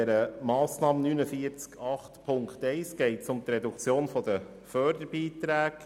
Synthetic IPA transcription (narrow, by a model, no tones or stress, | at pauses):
ɛɾəmɑːsnɑːmənynəfiəɾt͡skɑχtpʰʊŋktɛɪsɡ̥ɛɪtsʊmt̪ɾɛdukt͡sjoːnfɔd̪ə | fœɾdəɾbiːtɾæːk